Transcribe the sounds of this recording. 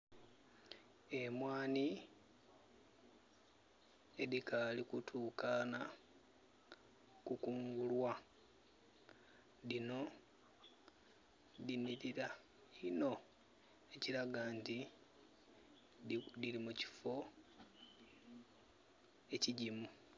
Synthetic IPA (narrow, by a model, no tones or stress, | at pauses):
e̞mwaːni | eðikalikutʰuːkana | kukuːŋɡulwa | ðino̞ | ðiniɾiɾa | ino̞ | e̞ciɾaɡaːnti | dilimuci̥fo̞ | e̞ciɟimu